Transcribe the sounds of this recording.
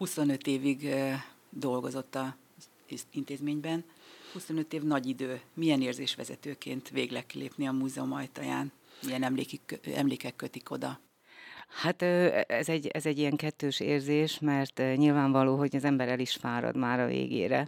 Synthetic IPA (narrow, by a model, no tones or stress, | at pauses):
huso̞nøt̪eːviɡ | d̪o̞lɡo̞zo̞t̪ːɒ | int̪eːzmeːɲbɛnhuso̞nøt̪eːvnɒɟid̪øːmijɛneːrzeːʃʋɛ̰zɛ̰t̪øːkḛːnt̪ʋeːɡlɛkːilʔḛːpniɒmuːzɛumɒjt̪ɒjaːn | miɛnɛmleːkiɛ̰mleːkɛkːøt̪iko̞d̪ɒ | hat̪øɛzɛɟːɛzɛɟːijɛŋkɛt̪ːøːʃeːrzeːʃmɛrt̪ɲilvaːɱvɒloːɦo̞ɟɒzɛmbɛɾɛliʃfaːɾɒ̰d̪maːɾɒvḛːɡḛːɾɛ̰